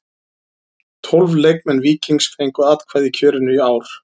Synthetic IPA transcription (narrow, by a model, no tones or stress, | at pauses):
t̪ʰɔlvlejk̚mɛnviːcinskejŋkʏaːt̪kʰvaːjðicʰœːɾɪnʏiaːwɾ̥